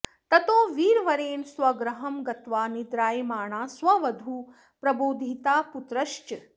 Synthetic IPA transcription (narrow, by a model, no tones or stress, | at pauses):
t̪ɐt̪oːʋiːɾʋɐɾeːnswɐɡɾɐɦɐmɡɐt̪ʋaːnid̪ɾaːjmaːɳaːsʋɐʋɐd̪ʱu | pɾɐboːd̪ʱit̪aːput̪ɾɐʃt͡ʃ